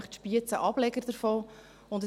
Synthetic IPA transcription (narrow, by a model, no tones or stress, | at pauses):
χtʃpiət͡səʔɑb̥lɛɡəɾd̥̪əɾfoː | ʊndə